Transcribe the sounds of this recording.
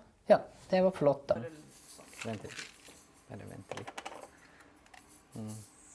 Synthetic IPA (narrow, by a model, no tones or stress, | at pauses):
jɑːd̪̥ɛʋɑɾflɔt̪ːd̪ɑ | ʋɛnt̪lɪ | æ̰ɾɛ̰ʋɛ̰nt̪ʰəlɪ